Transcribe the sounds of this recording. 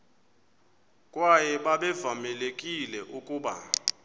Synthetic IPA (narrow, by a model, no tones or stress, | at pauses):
kʼwajɛɓaɓɛvamɛlekʼilɛʔukʼuːɓa̰